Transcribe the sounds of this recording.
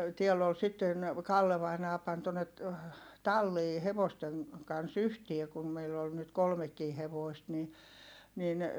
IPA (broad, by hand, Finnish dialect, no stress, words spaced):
tiɛlː ol sitːen kɑlːe ʋɑinɑː pɑn tonːet tɑlːiː heʋosteŋ kɑns yhtie kum meilː ol nyt kolmekːiː heʋoˑist ni nin